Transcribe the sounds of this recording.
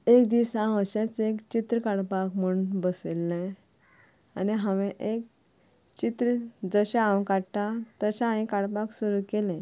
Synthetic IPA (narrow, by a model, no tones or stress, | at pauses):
ekd̪isãʋəɕãt͡sekt͡ɕit̪ɾəkaɽpakmuɳbəselːɛ̃ | aniɦãʋɛ̃ʔek̚ | t͡ɕit̪ɾəd͡zəɕããwkaɽʈ̪at̪əɕaãĩkaɽpaksuɾukelɛ̃